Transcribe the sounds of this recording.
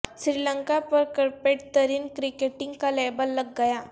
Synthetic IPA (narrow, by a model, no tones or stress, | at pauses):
sɾiːlə̃ŋkapɐɾkɐɾpeːʈ̚t̪ɐɾiːnkɾɪkeːʈɪ̃ŋɡkaleːbəlːɐɡːɐjaː